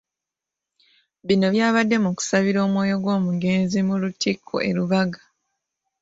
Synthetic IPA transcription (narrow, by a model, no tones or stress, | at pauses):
βino̞βjaːβadːe̞muku̥saβiɾo̞ːmwo̞ːjo̞ɡwo̞ːmuɡe̞ːnzimulutikʰːo̰ʔe̞ɾuβaɡḁ